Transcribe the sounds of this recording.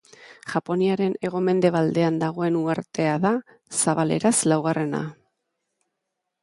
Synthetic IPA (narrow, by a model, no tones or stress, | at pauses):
ʝ̥apo̞niaɾe̞ne̞ɣ̞o̞me̞nd̪e̞βald̪e̞and̪aɣ̞o̞e̞nuaɾt̪e̞aða | saβale̞̰ɾaslawɣ̞are̞na̰